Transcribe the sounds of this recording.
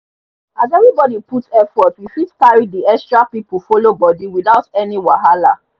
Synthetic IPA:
azɛvɹibɔdiputɛfɔtwifidkaɹidiɛkstɹapip̩folobɔdiwiðaʊtɛniwaɦala

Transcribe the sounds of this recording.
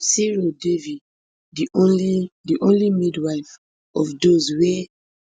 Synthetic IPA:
siɹodevid | diõnlidiʔõnlimidwaɪf | ɔfdozwe

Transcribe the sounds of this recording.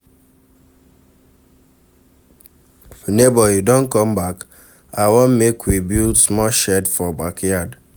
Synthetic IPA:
nebɔjidõnkɔmbak | awonmekwibilsmɔʃɛdfɔbakʰjad

